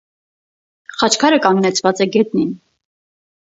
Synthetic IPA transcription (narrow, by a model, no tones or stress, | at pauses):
χɑt͡ʃʰkʰɑɾəkɑŋɡnɛt͡sʰvɑt͡sɛɡɛt̪̚nin